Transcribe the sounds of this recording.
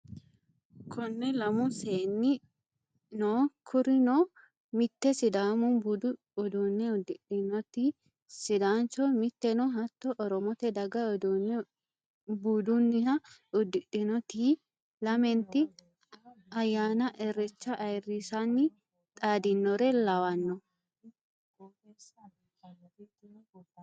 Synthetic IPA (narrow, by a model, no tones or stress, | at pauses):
kʰɔnːɛlɐmʊseːnːɪ | noːkʰʊɾɪnoː | mɪt̪ːɛsɪd̪aːmʊn | ɔd̪unːɛʊd̪ɪɗɪnɔt̪i | sɪd̪aːnt͡ʃɔmɪt̪ːɛnɔɦɐt̪ːɔʔɔɾɔmɔt̪ɛd̪ɐɡɐd | buːd̪ʊnːɪhɐʊd̪ːɪɗɪnɔt̪i | lɐmɛnt̪ɪ | ɐjaːnɐʔɛrɛt͡ʃːɐʔɐjrːiːsɐnːɪ | t̪ʼaːd̪ɪnːɔɾɛlɐwɐnːɔ